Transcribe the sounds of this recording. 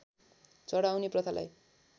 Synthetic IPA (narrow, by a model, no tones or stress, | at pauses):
t͡sʌɽawneprʌt̪ʰala̰j